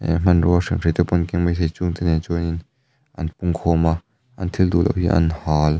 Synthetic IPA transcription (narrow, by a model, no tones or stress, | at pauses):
m̥ɐnrusiŋʰet̪ɛpɔnkiŋmajzʰejt͡suŋt̪ɛnɛnt͡ʃɔnin | ʔɐnpuŋkʰɔːma | ʔɐnt̪ʰild̪ulɐ̰whiʔɐ̰nhaːl